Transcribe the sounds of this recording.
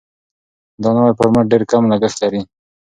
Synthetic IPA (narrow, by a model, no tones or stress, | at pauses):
d̪ɑnawaɾpəɾməɖeɾkamlaɡəxt̪laɾi